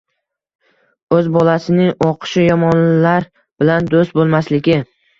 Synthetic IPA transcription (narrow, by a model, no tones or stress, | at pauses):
ɵzbɒlasɪnɪŋɒqʰɨ̥ʃɪjɒmɒnlɪlaɾ | b̥ɪland̪ost̪̚bolˠmaslɪɡʲɪ